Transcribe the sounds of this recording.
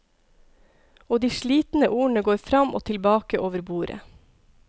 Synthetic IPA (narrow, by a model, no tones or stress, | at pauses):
oːd̪iːʃɭiːt̪n̩əʔuːɳəɡoːɾfɾɑmʔo̰ːt̪ʰɪlbɑːkəʔoːʋəɾbuːɾə̰